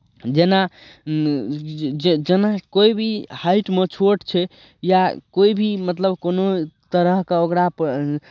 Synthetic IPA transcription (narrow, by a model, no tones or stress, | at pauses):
d͡ʒena | d͡ʒd͡ʒenakoibʱihaɪʈmet͡ʃʰoʈt͡ʃʰɛ | jakoibʱimət̪ləbkonot̪əɾəɦkeokɾap